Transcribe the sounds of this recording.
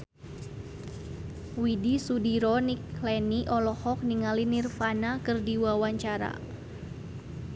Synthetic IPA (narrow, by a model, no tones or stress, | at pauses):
widisudiɾɔniklɛniʔɔlɔhɔk̚niŋalinirfanakɨrdiwawaɲt͡ʃaɾa̰